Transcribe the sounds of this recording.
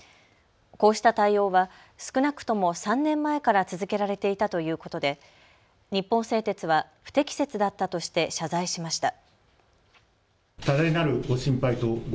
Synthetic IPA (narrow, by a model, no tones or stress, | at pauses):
ko̞ːɕi̥t̪at̪aio̞ːβa | sɨ̥kɯ̟nakɯ̟̥t̪o̞mo̞sãnːẽ̞mːae̞kaɾat͡sɨzɨke̞ɾaɾe̞t̪e̞it̪at̪o̞jɯ̟ːko̞t̪o̞d̪e̞ | ɲ̟ipːõ̞ɰ̃se̞ːt̪e̞t͡sɨβaɸɯ̟̥t̪e̞kʲi̥se̞t͡sɨd̪at̪ːat̪o̞ɕi̥t̪e̞ɕazaiɕimaɕi̥t̪a | t̪ad̪ainaɾɯ̟ɡo̞ɕĩmpait̪o̞ɡ